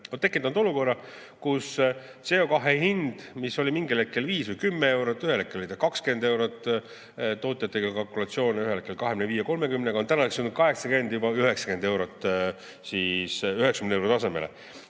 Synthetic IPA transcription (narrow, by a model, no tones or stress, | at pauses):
ot̪e̞kːˑint̪ːˑɑnd̪o̞luko̞rːɑ | kus | t̪se̞o̞kɑɦe̞hind̪̥miso̞lʲimiŋɡilekːˑelviːsvɨjkymːee̞wɾot̪ːˑyhelekːˑelolit̪ɑkɑkske̞nd̪e̞wɾot̪ːˑ | t̪o̞ːt̪ˑjɑt̪ːˑeɡɑkɑlkˑulɑt̪sio̞ːnyɦelekːˑelkɑɦemneviːjeɑko̞lmekymneɡɑo̞nt̪ænɑeksulnud̪̚kɑɦe̞ksɑke̞nd̪jubɑyɦeksɑ̥ke̞nd̪e̞wɾot̪ːˑ | siːsyɦeksɑ̥kymneewɾot̪ɑse̞melḛ